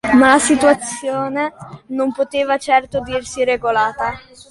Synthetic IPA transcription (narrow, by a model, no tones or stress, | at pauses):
malasit̪uat̪sːjoːnenompot̪eːvat͡ʃɛrt̪od̪irsiɾeɡolaːt̪a